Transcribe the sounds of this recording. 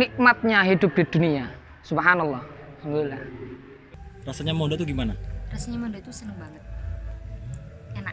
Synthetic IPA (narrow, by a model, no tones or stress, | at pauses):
nik̚mat̪̚ɲaɦid̪ʊp̚ɡ̥id̪̥unia | subɦanalːɑh | saŋlila | rasaɲamodat̪uɡimanarasaɲamɔdat̪usənəŋbaŋət̪̚ | ana